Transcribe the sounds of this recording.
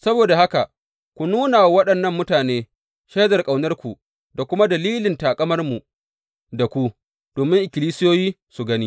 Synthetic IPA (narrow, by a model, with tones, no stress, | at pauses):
sɐ˦boː˨da˨ha˦ka˨ | kʷu˨nuː˦na˨wɐ˦ɗɐ˨nːɐ˦˨mːʊ˦taː˨neː˦ | ʃe˦zɐ˨rkʼa˨wnɐ˦rkʷu˨ | da˨kʷʊ˦ma˦dɐ˨liː˦lɪ˨ntaː˨kʼɐ˦mɐ˦rmu˨ | da˨kʷu˦ | d̥oː˨mɪ˦ŋʔɪ˨kʲɪ˨liː˦sɪ˦joː˦jiː˦ | su˨ɡɐ˦niː˦